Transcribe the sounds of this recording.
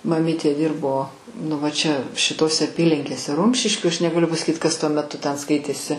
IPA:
mɐˈmʲiːtʲeː ˈdʲɪrboː nʊ ˈʋɐ ˈt͡ʃʲɛ ʃʲɪˈtoːsʲɛ ɐˈpʲiːlʲɪŋʲkʲeːsʲɛ ˈrʊmʲʃʲɪʃʲkʲuː ɐʃ nʲɛɡɐˈlʲʊ pɐsɐˈkʲiːt ˈkɐs tuɔ mʲɛˈtʊ ˈtʲɛn ˈskɐɪtʲeːsʲɪ

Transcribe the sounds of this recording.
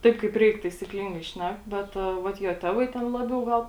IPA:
ˈtɐɪp kɐɪp ˈrʲɛɪk tɐɪsʲiːkˈlʲɪŋɡɐɪ ˈʃʲnʲɛk ˈbʲɛt ˈʋɐt joː ˈtʲæːʋɐɪ ˈtʲɛn ˈlˠɑːbʲɛʊ ˈɡɐlˠ

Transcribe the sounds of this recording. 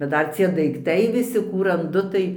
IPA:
bʲɛt ˈdɐr t͡sʲiɛ dɐɪkˈtɐɪ ʋʲɪˈsʲɪ ˈkuː rɐnˈdʊ tɐɪ

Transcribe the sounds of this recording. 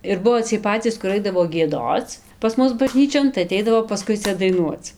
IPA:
ɪr ˈbʊʋoː t͡sʲiɛj ˈpɑːt͡sʲiːs kʊr ˈɐɪdɐʋoː ɡʲiɛˈdoːt͡s pɐs ˈmʊs bɐˈʒʲnʲiːt͡ʃʲoːn tɐɪ ɐˈtʲɛɪdɐʋoː pɐˈskʊɪ ˈt͡sʲɛ dɐɪˈnuɔt͡s

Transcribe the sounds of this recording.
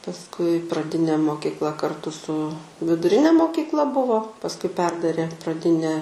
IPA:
pɐsˈkʊɪ prɐˈdʲɪnʲeː moːkʲiːkˈlˠɐ kɐrˈtʊ sʊ ʋʲɪdʊˈrʲɪnʲɛ moːkʲiːkˈlˠɐ ˈbʊʋoː pɐsˈkʊɪ ˈpʲɛrdɐrʲeː prɐˈdʲɪnʲæː

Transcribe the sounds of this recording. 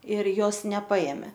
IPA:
ɪr ˈjoːs nʲɛˈpɐeːmʲeː

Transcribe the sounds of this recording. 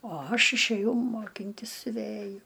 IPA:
oː ˈɐʃ ɪʃʲæˈjɛʊ moːˈkʲɪnʲtʲɪs sʲʊˈʋʲæjʊ

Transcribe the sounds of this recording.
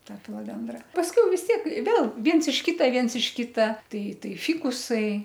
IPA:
ˈtɐ fʲɪlˠoːˈdʲɛndrɐ pɐsʲˈkʲɛʊ ʋʲɪs ˈtʲiɛk ˈʋʲeːlˠ ˈʋʲiɛns ɪʃ ˈkʲiːtɐ ˈʋʲiɛns ɪʃ ˈkʲɪtɐ ˈtɐɪ ˈtɐɪ ˈfʲɪkʊsɐɪ

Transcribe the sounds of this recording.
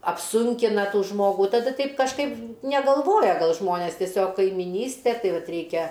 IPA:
ɐpˈsʊŋʲkʲɪnɐ ˈtuː ˈʒmoːɡuː tɐˈdɐ ˈtʲɛɪp kɐʃˈkɐɪp nʲɛɡɐlˠˈʋoːjɛ ˈɡɐlˠ ˈʒmoːnʲeːs tʲiɛˈsʲoːk kɐɪmʲɪˈnʲiːsʲtʲɛ ˈtɐɪ ˈʋɐt ˈrʲɛɪkʲɛ

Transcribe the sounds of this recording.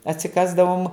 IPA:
ɐtʲsʲɪˈkɑːzdɐʋoːm

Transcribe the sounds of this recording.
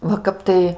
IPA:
ʋɐ ˈkɐp tɐɪ

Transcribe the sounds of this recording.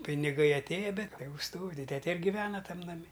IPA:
pʲɪnʲɪˈɡɐɪ ɐtʲˈeːjɛ ˈbʲɛt ˈtʲæːɡʊ stoːʋʲɪ ˈtʲæːtʲɛ ɪr ɡʲɪˈʋʲæːnɐ ˈtɐm nɐˈmʲɪ

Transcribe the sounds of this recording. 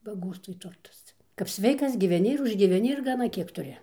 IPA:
bɐˈɡoːstʋoːj ˈtʊrtɐs ˈt͡sʲɛ kɐp ˈsʲʋʲɛɪkɐs ɡʲɪʋʲɛˈnʲɪ ɪr ʊʒʲɡʲiːʋʲɛˈnʲɪ ɪr ɡɐˈnɐ ˈkʲiɛk tʊˈrʲɪ

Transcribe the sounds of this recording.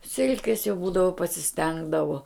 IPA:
ˈsʲɪlʲkʲeːs jɛʊ ˈbuːdɐʋoː pɐsʲɪˈsʲtʲɛŋɡdɐʋoː

